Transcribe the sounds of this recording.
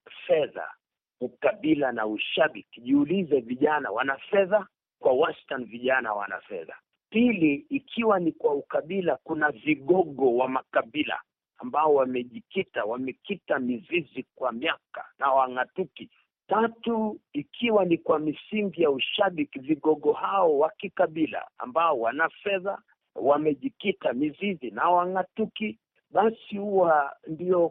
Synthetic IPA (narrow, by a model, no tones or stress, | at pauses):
fɛða̰ | ukaɓilanauʃaɓikiʄiulizɛviʄana̰wanafɛða | kwawastanviʄana̰wa̰na̰fɛ̰ða̰ | piliːkʰiwanikwaukaɓilakunaviɠɔɠɔwamakaɓila̰ | ambaɔwamɛʄikitawamɛkitamizizikwamiaka̰nawaŋatuki | tatuikʰiwanikwamisiŋɡijauʃaɓikiviɠɔɠɔhaɔwakikaɓila̰a̰mbaɔwanafɛða̰ | wamɛʄikitamizizinawaŋatuki | ɓasihuwandiɔ